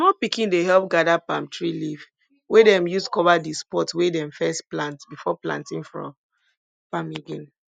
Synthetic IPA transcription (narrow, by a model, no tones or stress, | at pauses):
mɔpikĩndeɦɛlp̚ɡadapãmtɹiliv | wedɛ̃mjuskɔvadispɔtwedɛ̃mfɛstplãntbifɔplã̰ntĩnfɹɔ̰̃m | pamiɡĩn